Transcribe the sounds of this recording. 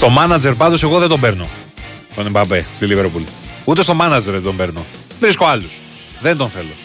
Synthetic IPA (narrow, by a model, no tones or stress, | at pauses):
st̪o̞mɐnɐd͡ze̞ɾp̬ɐnd̪o̞se̞ɣo̞ðed̪o̞mbeɾno̞̰ | t̪onebɐbest̪iliveɾpulut̪est̪o̞mɐnɐd͡ze̞ɾðed̪o̞mbe̞ɾno̞ | vɾisko̞ɐlus | ðe̞nd̪o̞nθe̞lo̞̰